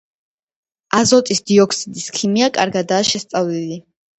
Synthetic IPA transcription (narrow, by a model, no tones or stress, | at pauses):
azɔt̪ʼisd̪iɔkʰsid̪iskʰimiakʼa̰ɾɡad̪aːʃɛst̪sʼavlili